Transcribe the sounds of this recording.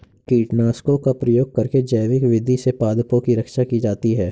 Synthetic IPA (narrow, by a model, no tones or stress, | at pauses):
kiːʈnaːskokapɾɐjoːɡ̚kɐɾked͡ʒɐjʋɪkʋɪd̪ʱisepaːd̪põkiɾɐkʃakid͡ʒaːt̪iɦɛː